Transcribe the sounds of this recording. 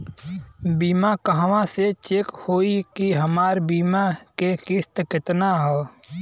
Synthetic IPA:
biːmakəɦʋãset͡ʃeːkhoːikiɦəmaːɾbiːmakekɪst̪kɪt̪naɦɛː

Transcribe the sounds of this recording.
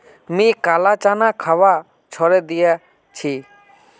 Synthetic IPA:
mĩkalat͡ʃanakʰawa | t͡ʃʰɔɾed̪ija | t͡ʃʰi

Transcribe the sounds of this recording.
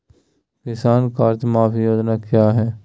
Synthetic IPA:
kɪsaːnkaːɾd͡ʒmaːpʰjoːd͡ʒnakjaːɦɛː

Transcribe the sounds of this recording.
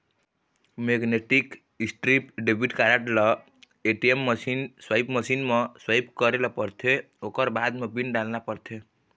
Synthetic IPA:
meɡneʈik | isʈɾipɖebʱiʈkaɾaʈlɔ | eʈiemːəsinswajpməsinmeswajpkəɾelɔpəɾt̪ʰe | okəɾbad̪mebinɖalnapəɾt̪ʰe

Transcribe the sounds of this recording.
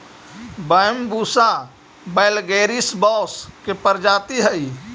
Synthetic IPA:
bəjmbuːsa | beːlɡeːɾisbɔːskepəɾd͡ʒaːt̪iɦəi

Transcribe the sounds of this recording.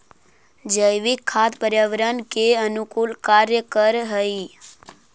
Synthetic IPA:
d͡ʒəjʋikʰːat̪pəɾjaʋɾənkeənukulkaɾjəkəɾɦəi

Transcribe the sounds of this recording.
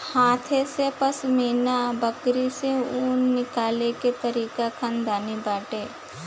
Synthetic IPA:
hãːt̪ʰesepɐsmiːnabəkɾiseuːnːɪkaːleket̪əɾiːkakʰãnd̪aːnibaːʈeː

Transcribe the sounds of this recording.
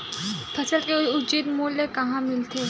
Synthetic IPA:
p̪ʰɐsəlkeʊd͡ʒid̪moːlːekɐɦãmɪlt̪ʰeː

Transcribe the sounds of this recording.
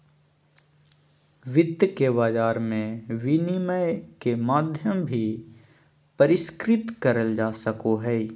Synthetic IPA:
ʋɪd̪ʱjkebaːd͡ʒaːɾmẽʋɪniməjkemaːd̪ʱjəmbʱi | pɐɾɪskɾɪt̪kɐɾəld͡ʒaːsəkoɦɛː

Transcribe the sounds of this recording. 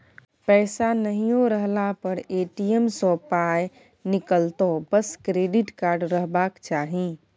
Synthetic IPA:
pɛɪsanəɦijõɾəɦlapəɾeʈiəmsɔpaj | nikəlt̪obəskɾeɖiʈkaɾɖɾəɦbakt͡ʃaːɦi

